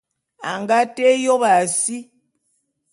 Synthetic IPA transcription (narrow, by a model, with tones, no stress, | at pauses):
a˨ŋɡa˦tɛ˦jɔ˦βa˨si˦